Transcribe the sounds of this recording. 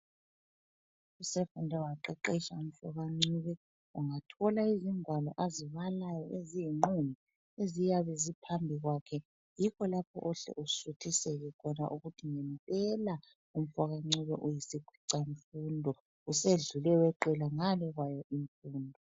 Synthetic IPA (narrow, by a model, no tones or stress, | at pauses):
usefundʱɛwaǃɛǃeʃaum̩fɔɣaŋ͡ǀuβɛ | uŋatʰɔlaiziŋwalɔʔaziβalajɔʔezijiŋ͡ǃuni | ezijaβɛzipʰambʱiɣwakʰɛ | jikʰɔlapʰɔ̰ʔɔɬɛ̰ʔusutʰisɛɣɛkʰɔnaʔuɣutʰiŋɛmpʼɛla | um̩fɔɣaŋ͡ǀiβɛ̰ʔujisiɡ̥ʱu̥ǀam̩fundʱɔ | useɮulɛwɛǃɛlaŋalɔɣwajɔʔiɱfuːndʱɔ